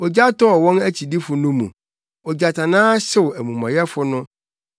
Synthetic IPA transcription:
ɔ˨d͡ʑa˦tɔ˦ɔ˨wɔ̃˦næ˦t͡ɕʰi˨di˦fʊ˨nʊ̃˦mṵ̃˨ | ɔ˨d͡ʑa˨tʰã˨nãː˦ɕɪ˦˨wæ˨mũ˨mã̰˨jɛ˦fʊ˦nʊ̃˦

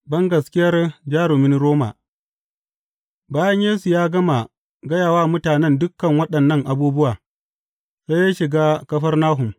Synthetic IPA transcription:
bɐ˦ŋɡɐ˨skʲɪ˦jɐ˦rd͡ʒaː˦ɽʊ˨mɪ˦nɾoː˦ma̰˨ | baː˦jɐ˦ɲjeː˦su˨jaː˦ɡɐ˦ma˨ | ɡɐ˦jaː˨waː˦mʊ˦taː˨nɛ˦ndʊ˦kːɐ˨ŋwɐ˦ɗɐ˨nːɐ˦ŋʔa˨buː˦bʊ˦waː˨ | za˦jaː˦ʃɪ˨ɡaː˦kɐ˦ɸɐ˦rnaː˦ɦʊ˨m

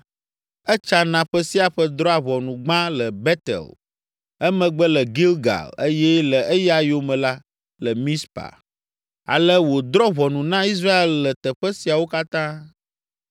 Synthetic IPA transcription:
ɛ˦t͡ʃa˦nã˨ɸə˦si˦a˨ɸə˦d̪ɾɔ˦a˨βɔ˨nũ˨ɡ͡bã˦lə˨bɛ˦t̪ɛ̰˨l | ɛ˦mɛ̃˨ɡ͡bə˦lə˨ɡi˦lɡa̰˨le˦jɛ˦lə˨e˦ja˨jo˦mɛ̃˨la˦ | lə˨mĩ˦spa̰˨ | a̰˨lə˦wo˨d̪ɾɔ˦βɔ˨nũ˨nã˦i˦s̬ɾa˦e˦˨lːə˨t̪ə˨ɸə˦si˨a˨wo˦ka˦t̪ã˦

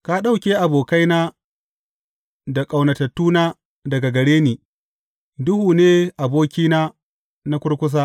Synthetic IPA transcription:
ka˦ɗa˦˨wkʲeː˦ʔa˨boː˨ka˦jnaː˦ | da˨kʼa˨wnɐ˨tɐ˨tːuː˦naː˦ | dɐ˨ɡa˨ɡɐ˨ɽeː˦niː˨ | dʊ˦huː˨neː˦ʔa˨boː˦kʲiː˦naː˦ | na˦kʷʊ˦ɽkʷʊ˦s̬aː˦

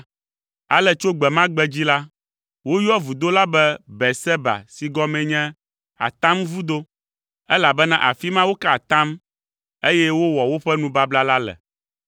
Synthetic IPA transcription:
a̰˦lɛ˦t͡ʃo˦ɡ͡bɛ˨mã˦ɡ͡bɛ˦d͡ʑi˦la˦ | wo˦jɔ˦vu˨d̪o˦la˦bɛ˦bɛ˨sɛ˦ba̰˨si˨ɡɔ˦mɛ̃˨ɲɛ̃˦ | a̰˨t̪ã˦mvu˦d̪o˦ | ɛ˦la˨bɛ˦nã˦ʔa̰˨fi˦mã˦wo˦ka˦˨t̪ã˦m | e˦jɛ˦wo˦wɔ˨wo˦ɸɛ˦nũ˦ba˦bla˦la˦lɛ̰˨

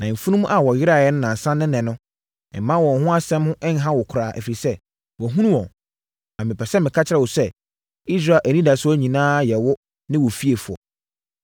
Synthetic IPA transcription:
nã˨fu˦nũ˦mũ˦ʔa˨wɔ˨jɪ˦ɾa˦˨jɛ˦nʊ̃˦nã˨n˨sã˦nːɪ̃˦nɛ̃˨nʊ̃˦ | ɛ̰˨˦mã˦wɔ˨ɦʊ̃˦a˦sɛ̃˦mhʊ̃˦ʔɛ˦n˦ɦã˦wɔ˨kʰʊ˨ɾaː˨ʔæ̰˨fi˨i˨sɛ˦ | wɔ˨ɦũ˦nũ˦wɔ̃˨n | ã˨mɪ̃˨pʰɛ˨sɛ˦mɪ̃˨kʰa˦t͡ɕʰɪ˦ɾɛ˨wɔ˨sɛ˦ | i˦s̬ɾaː˦˨lʔæ˨nĩ˦da˨sʊ˦æ˦ɲĩ˨nãː˦jɛ˨wɔ˦ | nɪ̃˦wɔ˨fi˦e˨fʊ˨ɔ̰˨

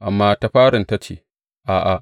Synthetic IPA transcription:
ʔa˨mːaː˦ta˦ɸaː˦ɽɪ˨nta˦t͡ʃḛː˨ | ʔaː˨ʔa˨

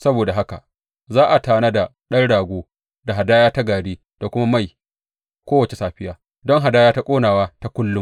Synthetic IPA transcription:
sɐ˦boː˨da˨ɦa˦ka˨ | zaː˦ʔa˨taː˨na˦da˨ | ɗɐ˦nɽaː˨ɡʷoː˦ | da˨ɦa˨daː˦jaː˦ta˦ɡaː˨ɽiː˦ | d̥a˨kʷʊ˦ma˦ma˦˨j | kʷoː˦wɐ˨t͡ʃe˨saː˨ɸɪ˦jaː˦ | dɔ˦ŋɦa˨daː˦jaː˦ta˦kʷʼoː˦naː˨waː˦ta˦kʷʊ˦lːʊ˦m

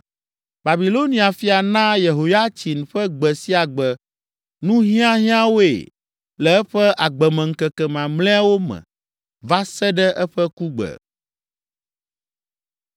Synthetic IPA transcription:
ba˨bi˨lo˦nĩ˨a˨fi˦a˨nã˦je˨ɦo˨ja˦t͡ɕi˨n˨ɸɛ˦ɡ͡bɛ˨si˦a˨ɡ͡bɛ˨ | nũ˦ɦĩ˦ã˦ɦĩ˦ã˦wo˦ḛ˨ | lɛ˨ɛ˦ɸɛ˦ʔa˨ɡ͡bɛ˨mɛ̃˨ŋ̩˦kɛ˨kɛ˨mã˨mlɛ̃˦a˦wo˦mɛ̰̃˨ | va˦sɛ˦ɖɛ˦ʔɛ˦ɸɛ˦ku˦ɡ͡bə̰˨

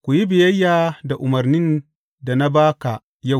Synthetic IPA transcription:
kʷu˨ji˦bɪ˨jɐ˦jːaː˨da˨ʔʊ˨mɐ˨rnɪ˦n | da˨na˦baː˦ka˨ | ja˦˨w

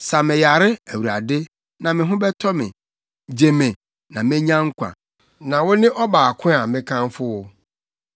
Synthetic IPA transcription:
sa˨mɪ̃˨ja˨ɾɪ˦æ˨wu˨ɾa˨dɪ˦ | nã˨mɪ̃˨ɦʊ̃˦bɛ˦tʰɔ˦mɪ̰̃˨ | d͡ʑe˨mɪ̃˨ | nã˨mɪ̃˦ɲã˦ŋ̩˦kʷʰã̰˨ | nã˨wʊ˦nɪ̃˦ʔɔ˦baː˨kʰʊ̃˦a˨mɪ̃˦kʰã˦n˦fʊ˦wʊ˦

